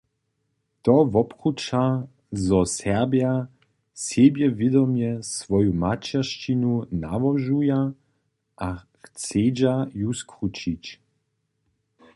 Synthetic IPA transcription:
t̪ɔvɔpχut͡ʃa | zɔsɛʁbja | sebjɛvɪd̪ɔmjɛsvɔjumat͡ʃɛʃt͡ʃinuna̰vɔʒuja | ʔa | xt͡sed͡ʑajuskrut͡ʃit͡ɕ

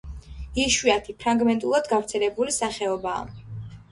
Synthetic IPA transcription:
iʃwiat̪ʰipʰɾaŋɡmɛnt̪ʼulˠad̪ɡavɾt̪sʰɛlɛbulisaχɛɔba̰ː

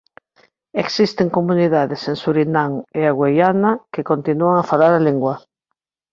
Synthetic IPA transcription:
eksist̪eŋkomũniðaðesensuɾinaŋeaɣwejanakekont̪inuaŋafalaɾaleŋɡwa

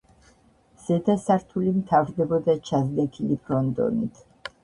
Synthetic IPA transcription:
z̥ɛd̪asaɾt̪ʰulimt̪ʰavɾd̪ɛbɔd̪at͡ʃʰazd̪ɛkʰilipʰɾɔnd̪ɔ̰nḭt̪ʰ

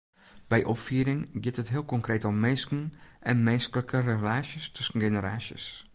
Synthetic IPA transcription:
b̥ɛjʔɔpfyəɾɪŋɡɪtətɦɪəlˠkɔŋkreːtɔmmenskən̩ʔɛnmeːskələkʰərelaːsjəstʰɵsn̩ɡenəɾaːsjə̰s

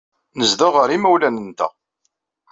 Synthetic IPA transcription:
nəzðaʁəɾimæwlænənt̪æ̰

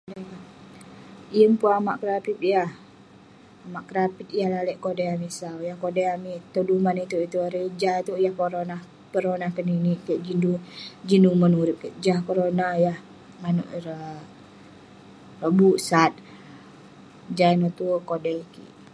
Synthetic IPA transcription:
deŋa | jəmpuama̰ʔkəɾapip̪̚jah | amaʔkəɾapit̪̚jahlalɛʔkodaamisawjahkodɛamit̪odumanit̪uit̪uaɾed͡ʒat̪ujahpoɾonah | pəɾonahkəniniʔkəʔd͡ʒindud͡ʒinumənuɾip̚kəd͡ʒahkoɾonahjah | ŋanṵʔɾə | rəbuʔsat̪̚ | d͡ʒanot̪ukodɛkḭʔ

